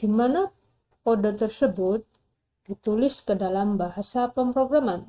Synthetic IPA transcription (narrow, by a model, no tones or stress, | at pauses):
d̥imana | podət̪ərsəbʊt̪̚ | d̥it̪ulɪskədalambaɦasapəmpɾoɡɾaman